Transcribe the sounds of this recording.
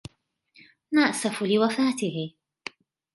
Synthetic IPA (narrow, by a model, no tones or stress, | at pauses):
maʔsafʊlɪwafaːt̪ɪhɪ